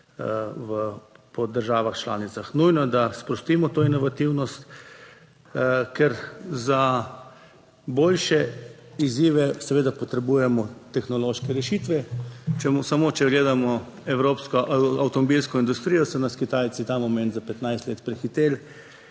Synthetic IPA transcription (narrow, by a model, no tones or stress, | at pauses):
ʋəpɔd̪əɾʒaːʋaxt͡ʃla̰ːnit̪saxnujnɔɛd̪aspɾɔst̪iːmɔt̪oːinɔʋat̪iwnɔst̪ | kɛɾza | boːlʃɛiziːʋɛsɛʋeːd̪apɔt̪ɾɛbuːjɛmɔt̪ɛxnɔloːʃkɛɾɛʃiːt̪ʋɛt͡ʃɛmsamot͡ʃɛɡleːd̪amɔɛwɾoːpskɔʔawt̪ɔmɔbilskɔind̪ust̪ɾijɔsɛnaskit̪aːj̪sit̪aːmɔmɛnt̪zapɛt̪najst̪leːt̪pɾɛxit̪eːl